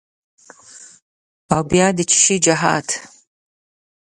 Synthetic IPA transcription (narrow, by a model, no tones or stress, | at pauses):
awbjaːdɨt͡ʃʰɪ̥ʃiːd͡ʒɐħa̰ːtʰ